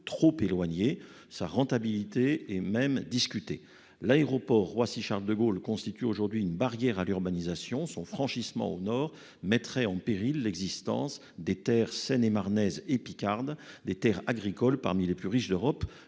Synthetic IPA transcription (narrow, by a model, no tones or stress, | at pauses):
t̪χopelwaɲe | sa̰ʁɑ̃t̪abilit̪eɛmɛmd̪iskʲyt̪e | laeʁɔpɔʁːwasiʃaʁld̪əɡolkɔ̃st̪it̪yoʒuʁd̪ɥiynbaʁjɛʁalyʁbanizasjɔ̃sɔ̃fχɑ̃ʃismɑ̰̃onɔʁ | mɛt̪χɛɑ̃peʁilːɛɡzist̪ɑ̰̃s | d̪et̪ɛʁsɛnemaʁnɛzepikʲaʁd̪d̪et̪ɛʁaɡʁikɔlpa̰ʁmileplyʁiʃd̪øʁɔp